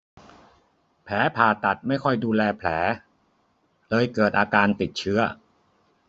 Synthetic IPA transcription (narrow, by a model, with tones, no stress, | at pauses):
pʰɛː˩˦pʰaː˨˩t̪a˨˩t̪̚ma˥˩jkʰɔ˥˩jduː˧lɛː˧pʰlɛː˩˦ | lɤː˧jkɤː˨˩t̪̚ʔaː˧kaː˧nt̪i˨˩t̪̚t͡ɕʰɯ˦˥ɐ